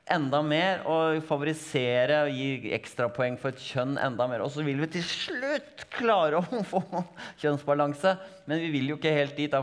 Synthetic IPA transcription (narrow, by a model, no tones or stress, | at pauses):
ʔɛnd̪ɑmeːɾɔfɑʋʊɾɪseːɾəɔjiːɛ̰kst̪ɾɑpʰɔɛŋːfɔɾɛt̪çœnːʔɛ̰nd̪ɑmeːɾɔsɔʋɪlʋɪt̪ʰɪlʂɭʉt̪ːkʰlɑːɾəɔfoːçœnsbɑlɑŋsəmɛnʋɪʋɪljʊɪkːəheːlt̪̚d̪iːt̪ɑ